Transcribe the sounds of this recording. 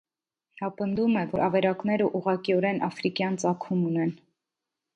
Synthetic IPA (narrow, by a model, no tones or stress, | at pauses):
nɑpənd̪umɛvɔɾʔɑvɛɾɑknɛɾəʔuʁɑkiɔɾɛnʔɑfɾikjɑnt͡sɑkʰumunɛn